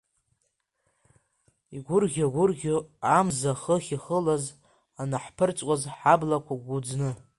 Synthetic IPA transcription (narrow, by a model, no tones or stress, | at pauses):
iɡʷʊrɡʲaɡʷʊrɡʲoamzaχəχʲiχəlaz | anaħpʰɨrt͡sʼwʷʼazħablakʷʰaɡʷud͡znɨ